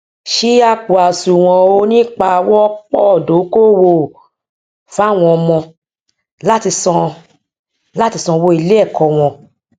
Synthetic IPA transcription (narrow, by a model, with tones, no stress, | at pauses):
ʃi˦a˦k͡pu˨a˨su˨w̃ɔ̃˧o˧˦nĩ˦k͡pa˧wɔ˦ɔ˦k͡pɔ˦˨do˨˦ko˦˨wo˧˨ | fa˦˨w̃ɔ̃˧ɔ˧mɔ̃˧ | la˦ti˧sɔ̃˧ | la˦ti˧sɔ̃˧wo˧˦i˧le˦ɛ˦˨kʰɔ˧˨w̃ɔ̃˧